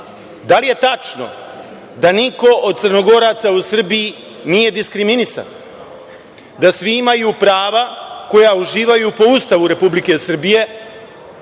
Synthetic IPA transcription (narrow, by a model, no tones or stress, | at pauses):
d̪alije̞t̪at͡ʃno̞̰ | d̪aniko̞od̪̚t̪srno̞ɡo̞ɾat̪sausr̩biji | nije̞d̪iskɾiminisa̰n | d̪asʋiimajuːpɾaːʋako̞jauʒiːʋajupo̞ust̪aʋuɾe̞publike̞sr̩bije̞